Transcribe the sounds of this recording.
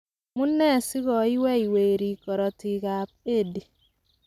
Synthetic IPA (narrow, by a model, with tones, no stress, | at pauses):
mu˦nːɛ˦˨si˦kɔ˨i˦wɛ˦i˨we˨ɾi˨kɔ˨ɾɔ˨ti˨ka˨p̚e˦˨di˨